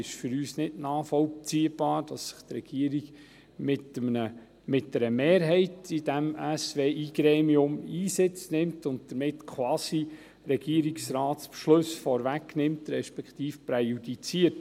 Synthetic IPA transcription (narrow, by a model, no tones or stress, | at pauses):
ɪʃfʏɾyːsnɪdnɑːfɔlt͡siəb̥ɑːɾd̥ɑsːɪ̥χt̪ɾɛɡ̥iəɾiɡ | mɪtəmnə | mɪtdəɾəmeːɾɦɛɪtidæmæsʋeːʔiːɡ̥ɾeːmiʊmiːsɪt͡snɪmtʊnt̚d̥əɾmɪtkʰwɑːsi | ɾɛɡ̥iəɾiksɾɑːtspʃlɵsfɔɾvæknɪmt̪ɾɛʃpɛkχtiːfpɾɛjudit͡siət